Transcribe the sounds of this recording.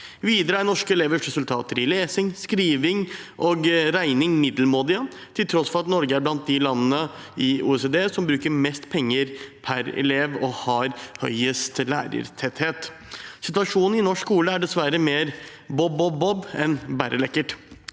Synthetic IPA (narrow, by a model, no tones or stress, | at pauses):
ʋiːd̪əɾəænɔʂkəɛleːʋəʂɾɛsʉlt̪ʰɑ̰ːt̪əɾɪleːsɪŋskɾiːʋɪŋʔɔɡɾæɪnɪŋmɪd̪l̩moːd̪ɪə | t̪ʰɪlt̪ʰɾɔsfɔɾɑt̪nɔɾɡəæɾblɑnt̪̚d̪ɪlɑnːənə | ɪṵːɛsed̪eːsɔmbɾʉːkəɾmɛst̪pʰɛŋːəɾpʰæɾɛ̰leːʋɔhɑɾhœ̰ʏəst̪læ̰ːɾə̰ɾt̪ʰɛt̪heːt̪ | sɪt̪ʉʋɑʂuːnn̩ɪnɔʂkuːləæɖɛsʋæɾəmeːɾ | bɔbɔbɔbɛnbæːɾʔəlɛkːəʈ